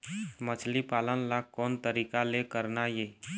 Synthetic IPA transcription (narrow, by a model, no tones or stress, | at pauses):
mət͡ʃʰlipaːlənlakɔːnt̪əɾiːkalekəɾnajeː